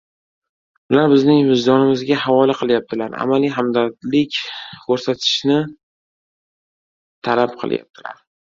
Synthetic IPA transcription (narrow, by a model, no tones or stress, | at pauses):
ʊlaɾbɪznɪŋmɪzd̪ɒnɪmɪzɡʲaɦavɒlaqʰɨlˠjap̚t̪ʰɪlaɾa̰malijɦamd̪at̪lɪkʲkʰɵɾsat̪ʰɪ̥ʃnɪ | t̪ʰalapqʰɨ̰lˠja̰p̚t̪ʰɪla̰ɾ